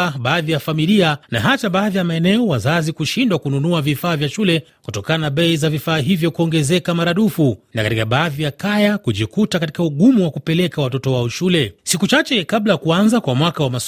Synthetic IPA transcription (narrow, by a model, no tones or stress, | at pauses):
ɓaːðijafamilianaɦat͡ʃaɓaːðijamaɛnɛɔwazazikuʃindwakununuavifaːvjaʃulɛ | kutɔkananaɓɛizavifaːɦivjɔkuɔŋɡɛzɛkamaɾaɗufunakatikaɓaːðijakajakuʄikutakati̥kauɠumuwakupɛlɛkawatɔtɔwaɔʃulɛsikut͡ʃat͡ʃɛkablajakuanzakwamwakawamas